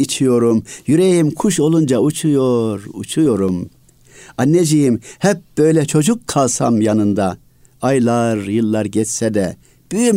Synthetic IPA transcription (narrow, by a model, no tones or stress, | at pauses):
it͡ʃʰijo̞ɾumjyɾejimkʰuʃo̞lˠund͡ʒaut͡ʃʰujoɾut͡ʃʰujo̞ɾum | anːed͡ʒijimhɛp̚b̥ø̞jlʲɛt͡ʃʰo̞d͡ʒukːʰalˠsa̰mjanɯnd̪a | ajlˠaɾjɯlˠːaɾɟɛt͡ʃsɛd̪ɛ | b̥yjym